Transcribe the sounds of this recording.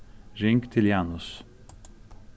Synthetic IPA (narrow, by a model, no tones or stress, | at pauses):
ʒʲɪŋʲkʲt̪ʲɪlʲjæːnʊs